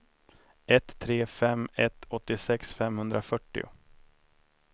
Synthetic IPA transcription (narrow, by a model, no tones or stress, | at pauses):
ʔɛt̪ʰːɾeːfɛmːɛt̪ʰɔt̪ːɪsɛksfɛmhɵnd̪ɾafœʈːɪ̰ʊ̰